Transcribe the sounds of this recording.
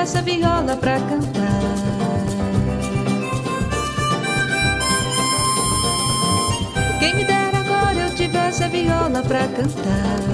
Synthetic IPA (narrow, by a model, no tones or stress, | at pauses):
ɛsɐviɔlɐpɾɐkɐ̃nt̪a | kẽj̃mɪd̪ɛɾaɡɔɾɐewt͡ʃivɛsɐviɔlɐpɾɐkɐ̃nt̪a